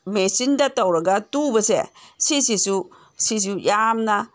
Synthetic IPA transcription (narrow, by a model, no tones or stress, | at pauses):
mesindatawɾaɡatubəsḛsisisu | sis̬ujamna